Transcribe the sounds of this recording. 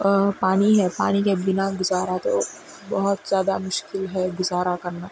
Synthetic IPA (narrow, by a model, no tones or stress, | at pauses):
paːniɦɛpa̰ːnikebɪnaɡʊzaːɾat̪o̰ | bɐɦʊt̪z̥jaːd̪a̰mʊʃkɪlɦɛɡʊzaːɾakɐɾnaː